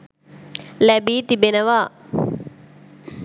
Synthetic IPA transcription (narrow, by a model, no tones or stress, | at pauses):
lɛbit̪ibenɐʋa